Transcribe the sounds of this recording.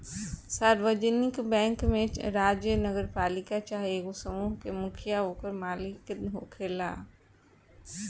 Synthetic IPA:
saːɾʋəd͡ʒənɪkbɛ̃ːŋkmẽɾaːd͡ʒjənəɡəɾpaːlɪkat͡ʃaːɦeɡosəmuːɦkemʊkʰjaoːkəɾmaːlɪk̪ɦokʰeːla̰ː

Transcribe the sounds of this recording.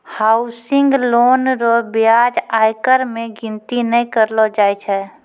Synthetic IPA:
haʊsɪŋɡloːnɾɔbjad͡ʒaːjkəɾmẽɡɪnt̪inə̃kəɾlɔd͡ʒaːjt͡ʃʰɛ

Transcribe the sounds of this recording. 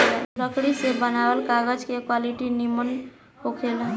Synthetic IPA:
lɾəkɽisebənabəlkaɡəd͡ʒkekwaliʈinimən | ɦokʰel

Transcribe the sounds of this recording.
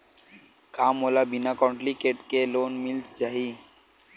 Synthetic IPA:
kaːmolabinakɔ̃ːɳʈlikeːʈkeloːnmɪlt͡ʃaːɦi

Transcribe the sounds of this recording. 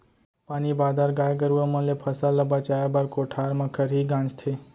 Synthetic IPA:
paːnibad̪aɾɡaːjɡəɾuəmənlepʰəsalːəbat͡ʃajabaɾkoʈʰaɾmakʰəɾɦiɡãːnd͡ʒt̪ʰe

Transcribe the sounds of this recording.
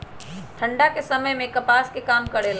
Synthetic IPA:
t̪ʰə̃ɳɖakesɐməjmẽkɐpaːskekaːmkɐɽel

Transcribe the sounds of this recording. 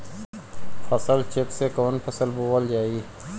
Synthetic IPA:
fɐsəlt͡ʃeksekoːnpʰɐsəlbowəld͡ʒaːiː

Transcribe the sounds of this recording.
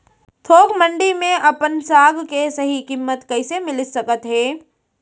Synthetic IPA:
t̪ʰoːkʰmə̃ɳɖimẽʔɐpənsaːɡkesɐɦikɪmːət̪kɐɪsemɪlɪsɐkət̪ɦɛː

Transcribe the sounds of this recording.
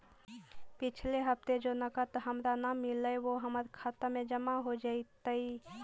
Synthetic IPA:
pɪt͡ʃʰleɦəp̚t̪ed͡ʒonəkət̪ɦəmɾanamːɪləeʋoɦəməɾkʰat̪əmẽd͡ʒəmaɦod͡ʒait̪əi

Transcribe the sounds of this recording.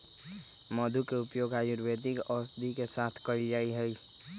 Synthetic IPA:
məd̪ʱukeʊpjoːɡaːjuɾbed̪ɪkɔsd̪ʱikesaːt̪ʰkəild͡ʒaːiɦəi

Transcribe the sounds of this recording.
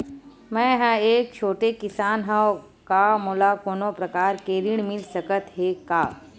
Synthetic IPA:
mɛ̃ːɦɛ̃eːk̚t͡ʃʰoːʈekɪsaːnɦã | kamoːlakoːnõpɾɐkaːɾkeːɾɪɳ̃mɪlsəkət̪ɦekaː

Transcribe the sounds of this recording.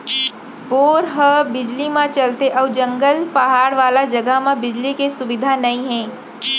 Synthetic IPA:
boːɾɦəbɪd͡ʒlimãt͡ʃɐlt̪eʔɔːd͡ʒɐ̃ŋɡəlpɐɦaːɾʋaːlad͡ʒɐɡəɦmãbɪd͡ʒlikesʊʋɪd̪ʱanɐĩɦɛ̃ː

